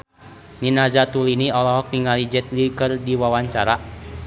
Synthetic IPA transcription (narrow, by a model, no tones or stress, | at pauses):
ninazat̪uliniɔlɔɦɔk̚niŋalid͡ʒɛt̪̚likɨrdiwawaɲt͡ʃaɾa